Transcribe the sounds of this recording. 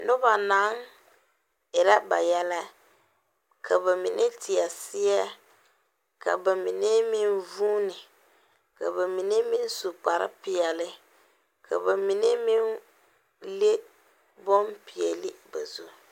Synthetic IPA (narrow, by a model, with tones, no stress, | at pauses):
nʊ˦ba˨na˨˦ŋ | ɪ˨ɾa˦ba˨jɛ˦la˦ | kʰa˨ba˨mi˨nʔe˦tɪ˨ɛ˨sɪ˦jɛ˦ | ka̰˨ba˨mi˨ne˦mi˦nvuː˦nɪ˨ | ka̰˨ba˨mi˨ne˦mi˦n˦su˨k͡pa˨ɾɪ̰˦pɪ˨jɛ˨lɪ˦ | kʰa̰˨ba˨mi˨ne˦mi˦n | le˦ | bɔ˦mpɪ˨ɛ˨lɪ˦ba̰˨zu˦˨